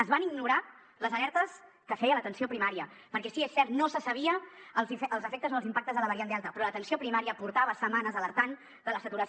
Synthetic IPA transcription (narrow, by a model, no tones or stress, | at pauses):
əzβaniɡnuɾa | ləzəlɛɾt̪əs | kəfɛjələt̪ənsiopɾimaɾiə | pəɾkɛsiesːɛɾt̪nosəsəβiəːlˠzifəlˠzəfek̚t̪əzolˠzimpak̚t̪əzðələβəɾiand̪alˠt̪əpɾɔlət̪ənsiopɾimaɾiəpuɾt̪aβəsəmanəzələɾt̪an | d̪ələsət̪uɾəs